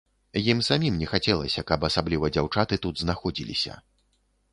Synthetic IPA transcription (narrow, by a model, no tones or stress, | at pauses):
jimsamʲimnʲɛxat͡sʲɛlˠɐsʲɐkɐpɐsablʲivɐd͡zʲawt͡ʂat̪ɨt̪ud̪znaxɔd͡zʲilʲḭsʲɐ̰